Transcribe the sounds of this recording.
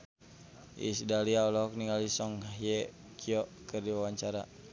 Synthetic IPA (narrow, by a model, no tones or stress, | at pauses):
ʔḭsdaliaɔlɔɔk̚niŋalisɔŋɦaɦjɛ | kiɔʔkərdiwawaɲt͡ʃaɾa̰